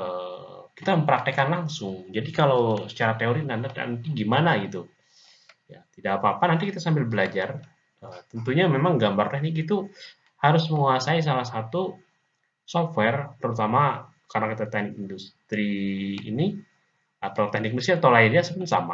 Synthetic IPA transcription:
əkit̪aməmpəɾak̚t̪ɛkanlaŋsʊŋd͡ʒadikalawsə̥t͡ʃaɾat̪eoɾinana̰nt̪iɡimanaɡit̪u | ja̰t̪idaʔapaːpanant̪ikit̪asambɪlbəlad͡ʒar | ət̪ənt̪uɲamemaŋɡambart̪ɛhnɪk̬it̪u | haɾʊsməŋuasais̬alahsat̪u | sɔfwɛrt̪əɾut̪ama | karənakit̪at̪ɛhnɪk̚indust̪ɾḭːni | at̪at̪ɛhnɪk̚ndusiat̪alaidiasəpʊnsa̰ma̰

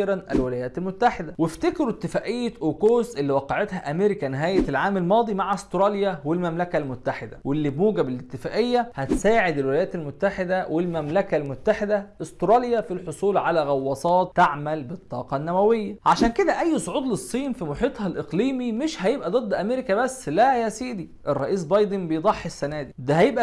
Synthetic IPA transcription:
ɾænʔæ̰lwɪlæjæːt̪ælmʊt̪ːaħed̪æweft̪ekɾut̪ːɪfæːʔejːæʔoːkoːsʔelːiwɑqːɑʕet̪hæʔæmeɾɪkænɪɦæːjelʕaːmælmɑːd̪ˤimaʕaʔost̪ɾˤɑljæwelmæmlækælmʊt̪ːaħed̪æ̰welːiːbmuːɡæbɪlɪt̪ːɪfæːʔejːæhæt̪saːʕed̪ɪlwɪlæjæːt̪ælmot̪ːaħed̪æwelmæmlækælmʊt̪ːaħed̪æʔost̪ɾˤɑljæfilħosˤuːlʕalæɣɑwːɑsˤɑːt̪ːaʕmælbet̪ˤːɑ̰ːqɑnːæwæwejːæʕaʃæːnked̪æʔæjːsˤoʕuːd̪ˤlesˤːiːnfimoħiːt̪ˤhælʔeqliːmimeʃhæjebʔæd̪ˤɨd̪ˤːʔæmeɾekæbæsːlæjæsiːd̪i | ʔerˤːɑʔiːs̬bɑjd̪ˤenbejd̪ˤɑħːesːænæːd̪id̪æɦæjebʔæ

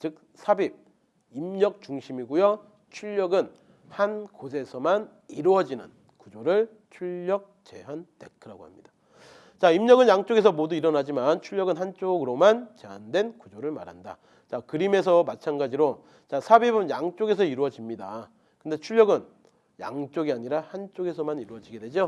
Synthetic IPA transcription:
t͡ɕɯk̚ | sʰabib̚ | imɲʌk̚t͡ɕuŋɕʰimiɡujo | t͡ɕʰuʎːʌɡɯn | hankos̬ʰe̞sʰʌman | iɾuʌd͡ʑinɯn | kud͡ʑoɾɯɭ | t͡ɕʰuʎːʌk̚t͡ɕe̞ɦante̞kʰɯɾaɡoha̰mɲid̥ḁ | t͡ɕaimɲʌɡɯnjaŋt͡ɕ͈oɡe̞sʰʌmoduiɾʌnad͡ʑimant͡ɕʰuʎːʌɡɯnɦant͡ɕ͈oɡɯɾomant͡ɕe̞ɦandwe̞nkud͡ʑoɾɯɭma̰ɾɦa̰nda̰ | t͡ɕakɯɾime̞s̬ʰʌmat͡ɕʰanɡad͡ʑiɾo | t͡ɕasʰabebɯnjaŋt͡ɕ͈oɡe̞s̬ʰʌiɾuʌd͡ʑimɲida | kɯnde̞t͡ɕʰuɭʎjʌɡɯn | ja̰ŋt͡ɕ͈oɡiaɲiɾahant͡ɕ͈oɡe̞s̬ʰʌmaniɾuʌd͡ʑiɡe̞dwe̞d͡ʑo

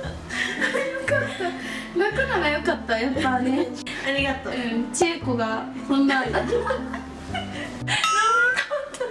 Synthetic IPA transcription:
jokat̪ːa | makɯnaɡajo̞kat̪ːajapːane | aɾʲiɡat̪oɯ̟̃t͡ɕeːkoɡakõnːat̪ːa | akat̪a

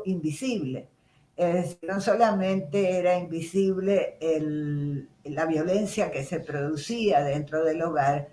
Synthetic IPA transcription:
imbisiβle | esnosolamẽ̞nt̪e̞eɾaimbisiβle̞ːlː | aβjo̞le̞nsjake̞se̞pɾo̞ðusiaðe̞nt̪ɾo̞ðe̞loɣaɾ

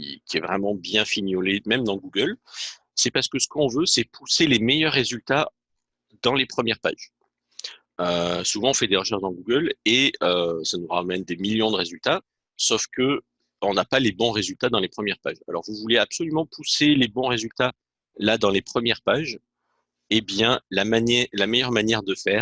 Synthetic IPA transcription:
kʲḭkʲiɛvʁɛmɑ̃bjɛ̃finjɔlemɛmd̪ɑ̃ɡuɡəl | sɛpaʁsə̥kəsə̥kɔ̃vøsɛpʰuselemejœʁːezylt̪a | d̪ɑ̃lepχəmjɛʁpa̰ʒ | øsuvɑ̃ɔ̃fɛd̪eʁəʃɛʁʃd̪ɑ̃ɡuɡəleøsanuʁamɛnd̪emiljɔ̃d̪əʁezylt̪a | sɔfkə | ɔ̃napalebɔ̃ʁezylt̪ad̪ɑ̃lepχəmjɛʁpa̰ʒa̰lɔ̰ʁvuvuleapsɔlymɑ̃pʰuselebɔ̃ʁezylt̪a | lad̪ɑ̃lepχəmjɛʁpaʒ | ebjɛ̃lamanɛlamejœʁmanjɛʁd̪əfɛːʁ

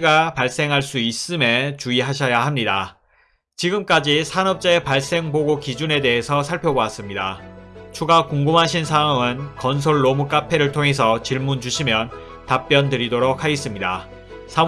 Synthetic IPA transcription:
ɡapaɭs͈e̞ŋɦaɭs͈uis͈ɯme̞t͡ɕuiɦaɕʰʌjaɦamɲida | t͡ɕiɡɯmk͈ad͡ʑisʰanʌp̚t͡ɕ͈aepaɭs͈e̞ŋboɡokid͡ʑune̞de̞ɦesʰʌsʰaɭpʰjoboas͈ɯmɲida̰t͡ɕʰuɡakoŋɡumɦaɕʰinsʰaʌŋɯnkʌnsʰoɭːomuk͈apʰe̞ɾɯɭtʰoŋɦe̞s̬ʰʌt͡ɕiɭmund͡ʑuɕʰimjʌn | tap͈jʌndɯɾidoɾok̚haɡes͈ɯmɲida̰ | sʰa

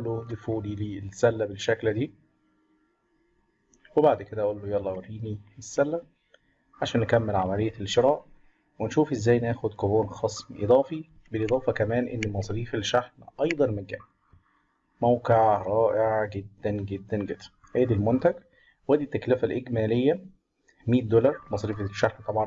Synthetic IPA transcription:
ʔlːod̪efuːliliːlsælːæbeʃːækld̪iː | webaʕd̪ked̪æʔæʔolːojælˤːɑwɑɾiːniesːælːæ | ʕaʃæːnːekæmːelʕamælejːælʃeɾɑːʔ | wenʃuːfʔezːæːjnæːxod̪koboːnxɑsˤmʔḛd̪ˤɑːfi | belʔed̪ˤɑːfɑkæmæːnʔḛnːmɑsˤɾiːfelʃaħnʔɑjd̪ˤɑnmɪɡæ̰ | mæwqeʕɾˤɑːʔeʕɡed̪ːænɡed̪ːænɡed̪̥æ̥ | heːd̪ilmont̪æɡ | wæd̪it̪ːæklɪfælʔeɡmæːlejːæ | miːt̪̚d̪olɑɾˤmɑsˤɾiːfeʃːaħnt̪ˤɑbʕɑn

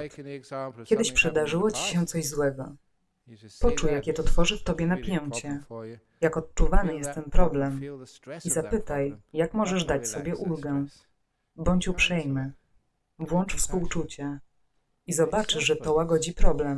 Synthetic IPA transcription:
kʲɛd̪ɘɕpʂɛd̪aʐɘwɔt͡ɕi̥ɕɛt̪sɔʑzwɛɡɔ | pɔt͡ʂujakʲjɛt̪ɔt̪fɔʐɘft̪ɔbʲjɛnapʲjɛnt͡ɕɛ | jakɔt̪̚t͡ʂuvanɘjɛst̪ːɛnpɾɔblɛm | izapɘt̪ajːakmɔʐɛʐd̪at͡ɕsɔbʲjɛʔulɡɛ | bɔɲt͡ɕupʂɛjmɘ | vwɔnt͡ʂfspuwt͡ʂut͡ɕa | izɔbat͡ʂɘʐɛt̪ɔwaɡɔd͡ʑipɾɔblɛm

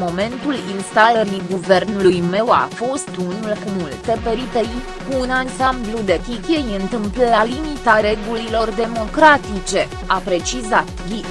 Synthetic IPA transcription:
mo̞me̞nt̪ulinst̪aləɾiɡuve̞rnulujme̞wa̰fo̞st̪unulumult̪e̞pe̞ɾipej | kuːnansamblud̪e̞pikʲejɨnt̪ɨmpləlalimit̪aɾe̞ɡulilo̞rd̪e̞mo̞kɾat̪it͡ʃe̞ | apɾe̞t͡ʃizat̪ɡʲi

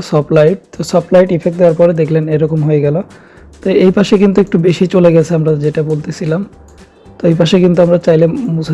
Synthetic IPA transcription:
sɔplajʈ̚t̪osɔplajʈifʰek̚ʈd̪eowaɾpɔɾed̪ekʰleneɾɔkomɦojeɡɛlo | t̪oejpaʃekint̪uek̚ʈubeʃit͡ɕoleɡɛt͡ɕʰeamɾad͡ʑeʈabolt̪et͡ɕʰilam | t̪oejpaʃekint̪uamɾat͡ɕajlemus

